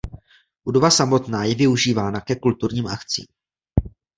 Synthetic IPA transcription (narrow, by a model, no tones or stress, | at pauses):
budo̞vasamo̞t̪naːjɛvɪuʒiːvaːnakɛkult̪uɾɲiːmʔakt͡sḭːm